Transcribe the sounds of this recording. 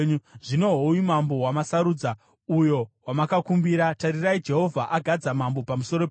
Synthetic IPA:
ʐino̞ɦoujimambo̞wamasaɾuːd͡za | ujo̞wamakakumbiɾataɾiraid͡ʒe̞ɦo̞vʱaʔaɡʱad͡zamambo̞pamuso̞ɾo

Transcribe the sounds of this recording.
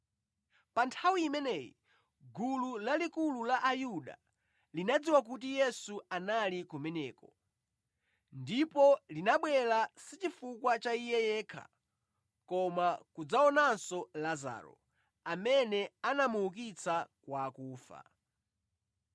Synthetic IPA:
pantʰawiːmɛnɛjḭ | ɡululalikululaʔajuɗa̰ | linad͡ziwak̬utijɛsuanalikɔmɛnɛːkɔ | ndipɔlinaɓwɛlasit͡ʃifukwat͡ʃaijɛjɛːkʰa̰ | kɔmakud͡zaɔnansɔlaza̰ːɾɔ̰ | amɛnɛanamuuk̬it͡sʰakwaːkuːfa̰

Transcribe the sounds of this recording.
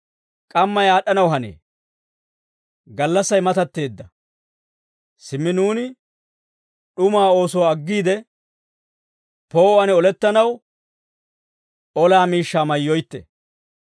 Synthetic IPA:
kʼɐmːɐjaːɗɐnɐwɦɐnḛː | ɡɐlːɐsːɐjmɐt̪ɐt̪ːe̞ːd̪ːɐ | sɪmːɪnuːnɪ | ɗʊmaːo̞ːsɔwɐɡːiːd̪ɛ | po̞ːwɐnɔlɛt̪ːɐnɐw | ɔlaːmiːʃːaːmɐjːɔjt̪ːɛ̰

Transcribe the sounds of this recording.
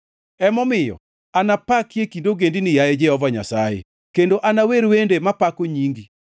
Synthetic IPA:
ɛmɔmɪjɔ̰ | anapakjekindoɡendinɪjajed͡ʒɛhɔvaɲa̰sajḛ | kendoʔanaweɾwendemapakoɲiŋɡi

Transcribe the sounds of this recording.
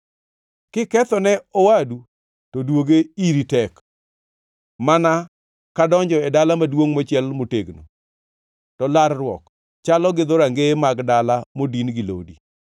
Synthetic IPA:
kɪkɛt̪ɔnɛɔwadu | todwoɡeiɾitɛk | mana | kadɔɲd͡ʒɔɛdalamadwoŋmot͡ʃɪɛlmoteɡno̰ | tɔlaɾrwɔ̰k | t͡ʃalɔɡɪd̪oɾaŋɡemaɡdalamodinɡɪlo̰dḭ

